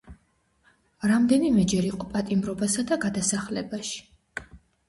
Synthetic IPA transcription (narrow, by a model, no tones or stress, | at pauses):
ɾamd̪ɛnimɛd͡ʒɛɾiqʼɔpʼat̪ʼimɾɔbasad̪aɡad̪asaχlɛbaʃi̥